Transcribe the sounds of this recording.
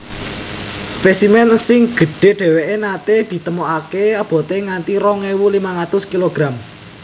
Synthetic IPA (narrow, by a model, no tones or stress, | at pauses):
spesimɛnsɪŋɡ̥ə̤ɖ̥e̤ɖ̥e̤weʔenat̪ed̪̥i̤t̪əmoʔakeab̥ɔ̤t̪eŋant̪iɾɔŋewulimaŋat̪ʊskiloɡ̥ɾam